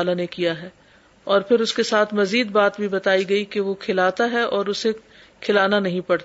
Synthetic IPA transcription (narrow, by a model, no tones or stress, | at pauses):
lanekijaɦɛː | ɔːɾpʰɪɾʊskesaːt̪ʰmɐziːd̪̚baːt̪̚bʱibɐt̪aːiɡɐikeʋokʰɪlaːt̪aɦɛʔɔːɾʊse | kʰɪlaːnanɐɦĩpɐɽt̪ː